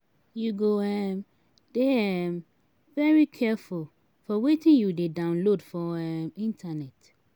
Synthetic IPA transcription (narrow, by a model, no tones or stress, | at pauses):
juɡoɛm | d̥eɛm | vɛɹikʰɛful | fɔwetʰɪ̃njudedãʊ̃nlodfɔɛmĩntʰanɛt